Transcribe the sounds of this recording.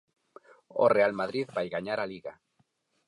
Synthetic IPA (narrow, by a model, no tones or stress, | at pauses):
o̰realmaðɾiðβajɣaɲaɾaliɣa